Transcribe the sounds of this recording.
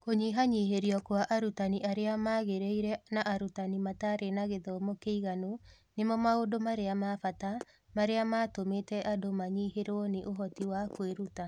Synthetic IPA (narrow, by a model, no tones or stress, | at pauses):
koɲiɦaɲiɦeɾiɔkwaʔaɾutaniʔaɾeamaɣeɾeiɾɛnaʔaɾutanimataɾʔenaɣeðɔmokeiɣano | nemɔmaodomaɾeamafata | maɾeamatometɛʔadomaɲiheɾoɔneʔoɦɔtiwakweɾuta